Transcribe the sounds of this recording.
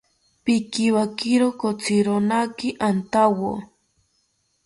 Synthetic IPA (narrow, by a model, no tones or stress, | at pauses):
pikiwakiɾokot͡siɾonakiʔant̪awo